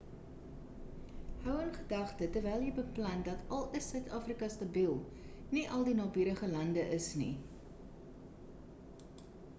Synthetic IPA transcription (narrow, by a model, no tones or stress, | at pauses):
hœwənχədɐχtətərvɛjlˠjəjbəplɐndɐtʰɐlˠəsœɥtɑːfrikɐstɐbilˠ | niʔɐlˠdinɑːbyːɾəχəlɐndəʔəsnḭ